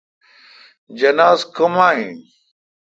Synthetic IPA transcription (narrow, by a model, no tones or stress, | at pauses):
d͡ʑɐnaːzkʰomaːĩ